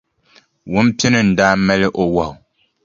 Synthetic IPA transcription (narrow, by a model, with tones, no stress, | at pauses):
wʊ˦m˦pɪ˦nɨ˦n̩˨daː˦mɛ˦lɪ˦ʔo˨wa˨ʊ˨